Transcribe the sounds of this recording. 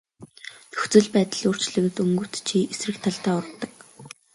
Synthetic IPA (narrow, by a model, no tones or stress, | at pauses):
t̪ɵxt͡sɵ̆ɮpæːt̪ə̆ɮoːr̥t͡ɕɮɘ̆ɣɘ̆t̪ɵŋɡɵ̆wʰt̪t͡ɕʰiesrɘ̆kt̪ʰaɮt̪æːɔɾt̪ːə̆k